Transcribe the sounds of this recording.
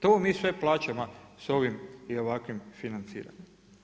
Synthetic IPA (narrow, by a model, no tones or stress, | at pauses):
t̪omiːsʋe̞plˠaːt͡ɕamoso̞ʋimio̞ʋakʋimfinant̪sḭːɾa̰ɲem